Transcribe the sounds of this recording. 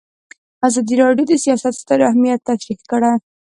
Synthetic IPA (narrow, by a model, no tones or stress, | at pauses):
azɑd̪iɾɑɖjod̪əsijɑsat̪st̪əɾahmijat̪ːaʃɾikkəɽaj